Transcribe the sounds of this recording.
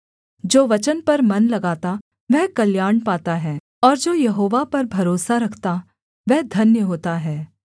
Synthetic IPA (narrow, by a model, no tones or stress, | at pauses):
d͡ʒoːʋɐt͡ʃənpɐɾmɐnlɐɡaːt̪a | ʋɛɦkɐljaːɳpaːt̪aɦɛː | ɔːɾd͡ʒoːjɐɦoːʋapɐɾbʱɐɾoːsaɾɐkʰt̪a | ʋɛɦd̪ʱɐnjəɦoːt̪aɦɛː